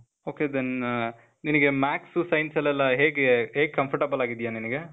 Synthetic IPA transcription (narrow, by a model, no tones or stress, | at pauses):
oːked̪en | ninɐɡe̞maːksusɐjnsɐlːɛlːɐɦeːɡɦeːɡ̚kɐmpʰɐɾʈɐbɐlaːɡid̪ijaːniniɡe